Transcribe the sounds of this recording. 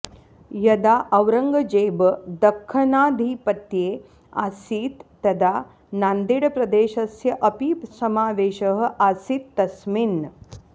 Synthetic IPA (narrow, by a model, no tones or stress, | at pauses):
jɐd̪aːʔɐʋɾɐŋɡɐd͡ʒeːbəd̪ɐkʰːɐnaːd̪ʱiːpɐt̪jeː | a̰siːt̪ːɐd̪a | naːnd̪iɽɐpɾɐd̪eːʃɐsjɐʔɐpisɐmaːʋeːʃɐɦə̆ʔaːsit̪ːɐsmin